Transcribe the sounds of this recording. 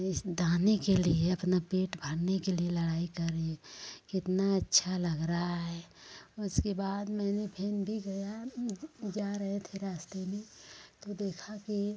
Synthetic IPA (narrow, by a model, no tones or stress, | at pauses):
ɪsd̪aːnekelieɐpnapeːʈbʱəɽnekelielɐɽaːikɐɾːeekɪt̪naɐtːʃʰalɐɡɾaaɦɛːʊskebaːd̪mɛ̃ːnebʰʱeːnbʱiɡɐja | d͡ʒaːɾɐɦẽt̪ʰeɾaːst̪emẽt̪od̪eːkʰaki